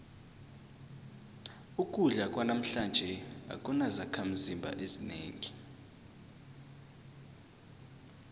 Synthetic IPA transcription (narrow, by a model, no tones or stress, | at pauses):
ukʼuɮakʼwanam̩ɬand͡ʒʱɛa̰kʼunazakʰam̩zimbʱa̰ʔezinḛːŋi